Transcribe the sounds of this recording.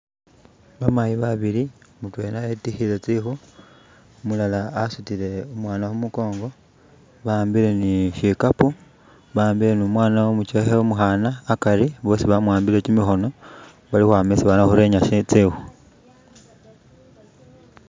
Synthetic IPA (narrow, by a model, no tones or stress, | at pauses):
βamajiβaβilimutwe̞naetixile̞t͡sixu | mulalaːsutile̞umwaːnaxumuko̞ːŋɡo̞ | βaːmbile̞niʃikapu | βaːmbile̞numwaːnaumut͡ʃexeumuxanaːkaɾiβo̞ːsiβamwaːmbile̞t͡ʃimixo̞no̞ | βalixwaːmesiβanaxuɾe̞ːɲaʃit͡sixu